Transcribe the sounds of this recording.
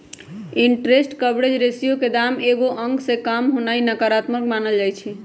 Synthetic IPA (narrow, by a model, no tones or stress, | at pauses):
iɳʈɾesʈkəbɾed͡ʒɾesijoked̪ameɡoʔəŋɡsẽkamɦonainəkaɾat̪məkmanəld͡ʒajt͡ʃʰɛ